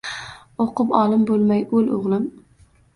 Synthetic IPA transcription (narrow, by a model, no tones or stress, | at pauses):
oqɨpɒlɪmbolˠmajɵloʁlˠɪm